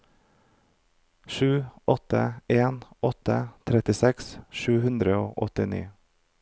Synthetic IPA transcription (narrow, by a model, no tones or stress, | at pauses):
ʃʉːɔt̪ə̰eːnɔt̪ə̰t̪ʰɾɛt̪ɪsɛksʃʉːhʉnd̪ɾəoːʔɔt̪ɪnḭː